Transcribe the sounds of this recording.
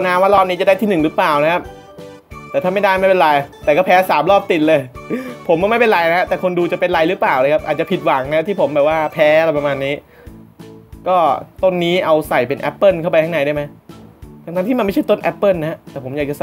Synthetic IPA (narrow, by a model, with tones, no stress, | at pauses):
naː˧˥mwaː˥˩lɔː˥˩p̚niː˦˥t͡ɕa˨˩da˥˩t̪ʰiː˥˩nɯ˨˩ŋɾɯ˦˥plaː˨˩wna˦˥kʰa˦˥p̚ | t̪ɛː˨˩t̪ʰaː˥˩ma˥˩jdaː˥˩jma˥˩jpe˧nɾaː˧jt̪ɛː˨˩kɔː˥˩pʰɛː˦˥saː˩˦mlɔː˥˩p̚t̪i˨˩t̪̚lɤː˧jpʰo˨˩˦mkɔː˥˩m˥˩jpe˧lɾa˧jna˦˥a˦˥t̪ɛː˨˩kʰo˧nduː˧t͡ɕa˨˩pe˧nɾa˧jɾɯ˦˥plaː˨˩wlɤː˧jkʰa˦˥p̚ʔaː˨˩t̪̚t͡ɕa˨˩pʰi˨˩t̪̚wa˨˩˦ŋna˧˥a˥t̪ʰiː˥˩pʰo˩˦mbɛː˨˩p̚waː˥˩pʰɛː˦˥la˧˩pa˧maː˧nːiː˦˥ | kɔː˥˩t̪o˧˥˩nːiː˦˥ʔa˧wsa˨˩jpe˧nʔɛ̰˦˥pːɤː˥˩˨nkʰa˥˩wpa˧jt̪ʰa˥˩na˨˦jdaː˥˩jma˦˥jkʰa˧t̪ʰa˧˥ŋt̪iː˥˩a˧ma˥˩t͡ɕʰa˥˩jt̪o˥˩nʔɛ˦˥pːɤː˥˩˨nːa˦˥ɛ˦˥t̪ɛː˨˩pʰo˩˦mja˨˩t͡ɕa˨˩sa˨